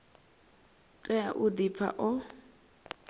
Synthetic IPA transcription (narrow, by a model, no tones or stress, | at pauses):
tʼɛa̰ʔʊdip̪fʰa̰ʔʊ